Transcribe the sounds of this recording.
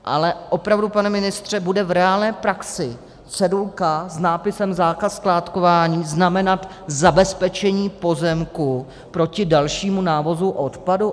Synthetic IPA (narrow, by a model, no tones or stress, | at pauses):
ʔa̰lɛʔo̞pɾavdupanɛmɪnɪst̪r̝̥ɛbudɛvɾɛaːlnɛːpɾaksɪ | t͡sɛdulkaznaːpɪsɛmzaːkasklaːt̪kovaːɲiːznamɛnat̪ | zabɛspɛt͡ʃɛɲiːpo̞zɛmku | pɾo̞cɪdalʃiːmunaːvo̞zuʔot̪padu